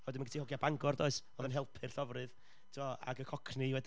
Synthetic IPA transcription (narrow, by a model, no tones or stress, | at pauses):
ɔːdɪnmanɡətʰihɔɡjabaŋɡɔrdɔɨsɔðənɦɛlˠpʰɨrɬɔvrɨð | tʰiɔa̰ɡəkʰɔkʰniwɛd